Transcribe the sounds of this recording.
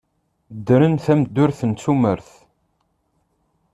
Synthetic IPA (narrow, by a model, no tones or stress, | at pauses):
d̪ːɾənθæmd̪ːʊɾθənt͡sːuməɾθ